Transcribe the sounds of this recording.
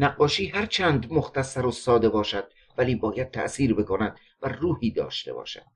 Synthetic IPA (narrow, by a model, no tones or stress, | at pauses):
næɢːɒːʃiːɦæɾt͡ʃʰænd̪moxt̪æsːæɾosɒːd̪e̞bɒːʃæd̪̥̚ | væliːbɒːjæd̪̚t̪ʰæ̰ʔsiːɾbe̞kʰonæd̪̥ | væruːhiːd̪ɒ̰ːʃt̪e̞̰bɒ̰ːʃæ̰d̪̥